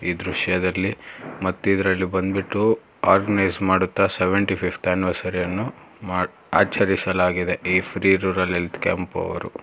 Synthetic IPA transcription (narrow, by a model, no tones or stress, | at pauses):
iːd̪ɾuʂjɐd̪ɐlːimɐt̪ːid̪ɾɐlːibɐnd̪biʈːu | aːɾɡɐnɐjzmaːɽut̪ːɐsɛʋeɳʈipʰipʰt̪anʋɐsɐɾɛjɐnːu | maː | aːt͡ʃɐɾisɐlaːɡid̪eiːpʰɾiːɾuːɾɐlelt̪kḛːmpɐ̰ʋɐ̰ɾṵ